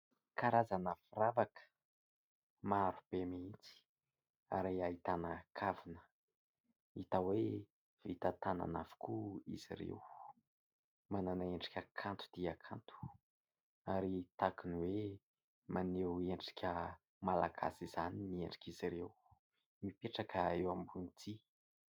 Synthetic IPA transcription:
kaɾazanəfiravakə̥ | maaɾub̥emiit͡si̥ | a̰ɾeait̪anəkʰavinə̥ | it̪awe | v̥it̪at̪ana̰navu̥kuḭzḭɾḛw | mananaeɳɖ͡ʐi̥kʲəkʰant̪u̥d̪̥iakʰant̪u̥ | aɾit̪akuniwe | maneweɳɖ͡ʐi̥kʲʰə | mala̰ɡa̰siz̥aninieɳɖ͡ʐi̥kʲiziɾew | mipeʈ͡ʂakəewambunit̪ʰi

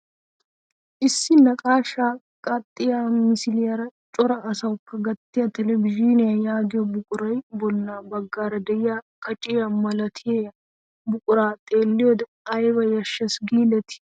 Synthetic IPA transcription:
ʔɪsːɪnɐkʼaːʃaː | kʼɐt̪ʼːɪjaːmɪsɪlɪjɐɾɐt͡ʃʼɔɾɐʔɐsɐwkːɐɡɐt̪ːɪjɐt̪ɛlɛbɪʒɪnɪjɐjaːɡɪjɔbʊkʼʊɾɐjbɔnːaːbɐɡːaːɾɐd̪ɛɪjaːkɐt͡ʃʼɪjɐmɐlɐt̪ʰɪje | bʊkʼʊɾaːt̪ʼeːlːɪjɔd̪ɛ | ɐjbɐjɐʃːɛsɡiːlɛt̪ɪ̥

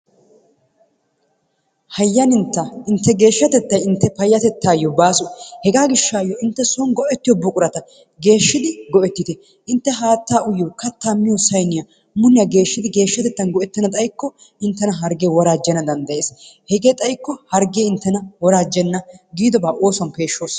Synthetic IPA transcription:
hɐjːɐnɪnt̪ːɐʔɪnt̪ːɛɡe̞ːʃːɐt̪ɛt̪ːɐjɪnt̪ːɛpɐjːɐt̪ɛt̪ːaːjːɔbaːsʊhɛɡaːɡɪʃːaːjːɔɪnt̪ːɛsɔnɡɔʔɛt̪ːɪjɔbʊkʼʊɾɐt̪ɐ | ɡe̞ːʃːɪd̪ɪɡɔʔɛt̪ːɪt̪ɛ | ʔɪnt̪ːɛɦaːt̪ːaːʔʊjokɐt̪ːaːmːɪjɔsɐjnɪjɐ | mʊnːɪjɐɡe̞ːʃːɪd̪ɪɡe̞ːʃːɐt̪ɛt̪ːɐnɡɔʔɛt̪ːɛnɐt̪ʼɐjkːɔ | ʔɪnt̪ːɛnɐɦɐɾɡeːwɔɾaːd͡ʒɛnɐd̪ɐnd̪ɐje̞ːshɛɡeːt̪ʼɐjkːɔhɐɾɡeːɪnt̪ːɛnɐwɔɾaːd͡ʒːɛnːɐɡiːd̪ɔbaːʔo̞ːswɐnpe̞ːʃːoːs

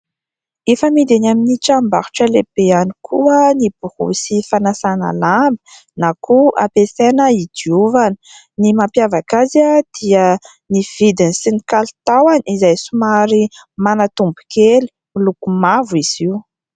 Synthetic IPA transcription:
efəmid̪enaminiʈ͡ʂambaɾu̥ʈ͡ʂəlebeanikʰuənib̥uhṵsifanasana̰lambə̥ | nakʰua̰pesenəid̪iuvanə̥ | nimampjavakazəd̪̥iə | niv̥id̪inisinikalt̪awanizajsumaɾimanat̪umbu̥keli̥milukumavuiz̥iwu

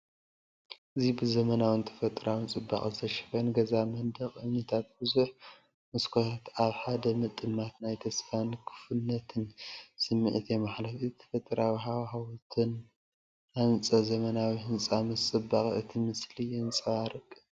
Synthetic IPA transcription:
ʔɨzibɨzɐmɐnawɨnt̪ʰɐ̥fɐt̪ʼɨɾawɨnt͡sʼɨbːa̰χʼztʰɐʃɪ̥fɐnɡɐzamɐnd̪ɐχʼɨnit̪ʰat̪̚bɨzuħ | mɨskʰot̪at̪aβħad̪ɐmɨt̪ʼɨmːat̪najt̪ʰɐsfankʰɨ̥fɨnːɐt̪ʰɨnsɨmːɨʔɨt̪ʰemaħlɐfit̪ʰɐ̥fɐt̪ʼɨɾawiɦawhawt̪ʰɨn | ant͡sʼɐzɐmɐnawihɨnt͡sʼamɨt͡sʼɨbːaχʼɨt̪ʰimɨslijɪnt͡sʼɐwaɾɨkʼːɨ

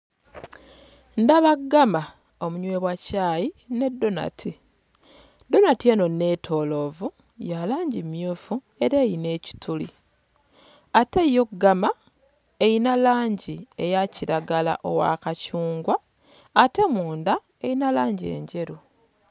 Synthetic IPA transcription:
ndaβaɡːama | o̞muɲwe̞ːβwacaːjine̞dːo̞na̰tʰi | do̞natie̞no̞ne̞tʰo̞lo̞vu | jalaːɲɟimjuːfu | e̞ɾe̞ːjine̞ːci̥tʰulḭ | atejokɡama | ejinalaːɲɟiejaciɾaɡala̰ʔo̞wa̰kacuːŋɡwaː | te̞muːnda | ejinalaːɲɟe̞̰ːɲɟe̞ɾu

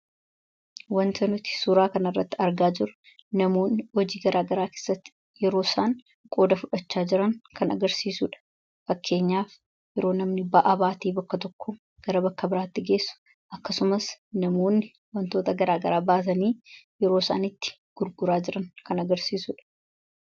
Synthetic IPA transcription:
wɐnt̪ɐnʊt̪ɪ̥suːɾaːkɐnɐrːɐt̪ːɪɐɾɡaːd͡ʒɪɾʊ̥ | nɐmo̞ːnːhɔd͡ʒiːɡɐɾʔaːɡɐɾaːkeːsːɐt̪ːɪ̥ | jɛɾo̞ːsaːn | kʼo̞ːd̪ɐfʊᶑɐt͡ʃːaːd͡ʒɪɾɐŋkɐnɐɡɐɾsiːsṵːᶑɐ̥ | fɐkʰːe̞ːɲːaːf | jɛɾo̞ːnɐmnɪbɐʔabaːt̪iːbɐkːɐt̪ɔkːɔ | ɡ̥ɐɾɐbɐkːɐbɪɾaːt̪ːɪɡe̞ːsːʊ̥ | ʔɐkːɐsʊmɐsnɐmo̞ːnːɪ | wɐnt̪o̞ːt̪ɐɡɐɾaːɡɐɾaːbaːs̬ɐniːjɛɾo̞ːsa̰ːnɪt̪ːɪ̥ | ɡ̥ʊɾɡʊɾaːd͡ʒɪɾɐŋkɐnɐɡɐɾsiːsṵːᶑɐ̥

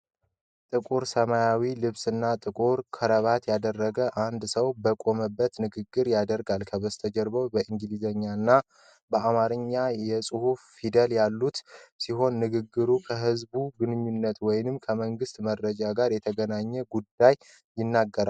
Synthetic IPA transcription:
t̪ʼɨkʼuɾsəmajawilɨβsɨnːat̪ʼɨkʼuɾkʰəɾəβat̪jad̪ərːəɡəʔand̪səwbəkʼo̞məbːət̪nɨɡɨɡːɨɾjad̪əɾɡalkʰəβəst̪ʰəd͡ʒəɾβəwbəʔɨŋɡɨlizəɲːanːa | bəʔamaɾɨɲːajɛsʼɨhuffid̪əljalːut̪siɦo̞nːɨɡɨɡːɨɾukʰəɦɨzbuɡɨnɨɲːunːət̪wɔjnɨmkʰəməŋɡɨst̪mərːəd͡ʒaɡaɾjɛt̪ʰəɡənaɲːɛɡud̪ːaj | jɪnːaɡːəɾal

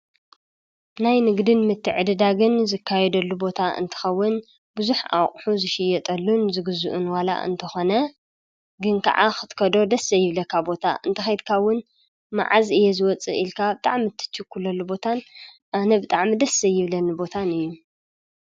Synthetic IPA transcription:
najnɨɡd̪ɨnmɨt̪ʰːɨʕɨd̪ɨd̪aɡɨnzɨkʰːajɛd̪ɐlːubo̞t̪ʰaɨ̰nt̪ʰɨ̥xɐwːɨn | buzuħʔa̰wχʼħuzɨʃɪjɛt̪ʼɐlːunzɨɡɨzuʔunwala̰ʔɨ̰nt̪ʰɐxo̞nɐ | ɡɨnkʰɐ̰ʕaxɨ̥t̪kʰɐd̪o̞d̪ɐsːɐjɪβlɐkʰabo̞t̪ʰa̰ʔɨnt̪ʰɐxɐjd̪kʰawːʊn | ma̰ʕazɨjezɨwɔt͡sʼɨ̰ʔilkʰabɨt̪ʼa̰ʕmɨt̪ʰːɨ̥t͡ʃːɨkʰːulɐlːubo̞t̪ʰan | ʔanɐbɨt̪ʼaʕmid̪ɐsɐjɪβlɐnɨbo̞t̪ʰanɨjːu

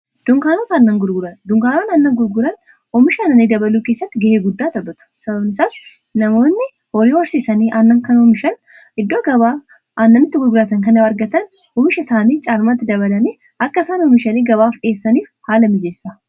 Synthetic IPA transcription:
d̪̥ʊŋkaːnot̪ɐnːɐŋɡʊɾɡʊɾɐnd̪ʊŋkaːnonɐnːɐŋɡʊɾɡʊɾɐn | ɔmɪʃɐnɐniːd̪ɐbɐluːke̞ːsːɐt̪ːɪɡɐheːɡʊd̪ːaːt̪ɐbɐt̪ʊ̥sɐbɐbnɪsaːs | nɐmo̞ːnːɪ | hɔɾiːwɐɾsisɐniːʔɐnːɐŋkɐnɔmɪʃɐn | ʔɪd̪ːoːɡɐβaː | ʔɐnːɐnɪt̪ːɪɡʊɾɡʊɾɐt̪ɐŋkɐnɪwɐɾɡɐt̪ɐn | ɔmɪʃɐɪsaːniːt͡ʃʼaːɾmɐt̪ːɪd̪ɐβɐlɐniː | ʔɐkːɐɪsaːnɔmɪʃɐniːɡɐβaːfᶑe̞ːsːɐniːfhaːlɐmɪd͡ʒesːa

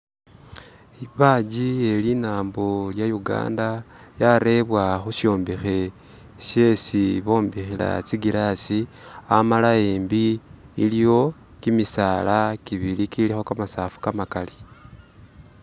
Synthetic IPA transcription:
iβad͡ʒie̞linaːmboljajuɡa̰ːndajaɾe̞βwaxuʃo̞ːmbixe̞ | ʃe̞siβo̞ːmbixila̰t͡siɡilasi | amalaembiː | lijo̞ | kimisaːlakiβilikilixo̞kamasaːfu̥kamakali

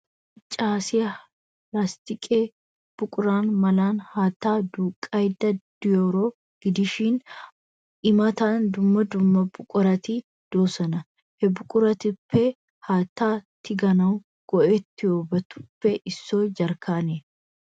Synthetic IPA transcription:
t͡ʃʼaːsɪjɐ | ɾast̪ɪkʼeː | b̥ʊkʼʊɾaːnmɐlaːnhaːt̪ːaːd̪uːkʼːɐjd̪ɐd̪̥ɪjoːɾoː | ɡ̥ɪd̪ɪʃiːn | ʔɪmɐt̪aːnd̪ʊmːɐd̪ʊmːɐbʊkʼʊɾɐt̪i | d̪̥oːsɐnɐ | hɛbʊkʼʊɾɐt̪ɪpʰːɛ | haːt̪ːaːt̪ːɪɡɐnɐw | ɡ̥ɔʔɛt̪ːɪoːbɐt̪ʊ̥pːɛʔɪsːoːd͡ʒɐɾkʰaːne

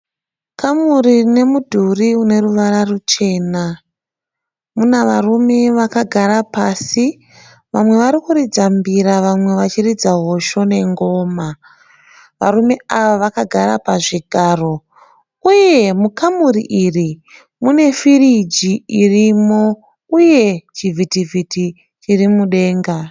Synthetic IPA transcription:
kʰamurine̞mudʱuriune̞ruʋaɾarut͡ʃe̞ːna | munaʋarume̞ʋakaɡʱaɾapaːsi | ʋamwe̞ʋaɾikuɾid͡zambiɾaʋamwe̞ʋat͡ʃirid͡zaɦo̞ʃo̞ne̞ŋɡo̞ːma | ʋa̰ɾume̞aʋaʋakaɡʱaɾapaʐiɡʱaːro̞ | uje̞mukamurḭʔiri | mune̞firid͡ʒiirimo̞ | uje̞t͡ʃivʱitivʱitʰi | t͡ʃirimuɗe̞ːŋɡa

